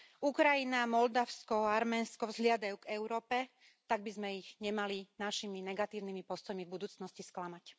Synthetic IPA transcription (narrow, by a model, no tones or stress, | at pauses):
ukɾajinamɔld̪aʊskɔaɾmɛːnskɔvzɦlɪad̪ajuɡɛʊɾɔːpɛ | t̪aɡ̚bizmɛiɣɲɛmalinaʃiminɛɡat̪iːʊnimipɔst̪ɔjmivbud̪uːt͡snɔscisklamac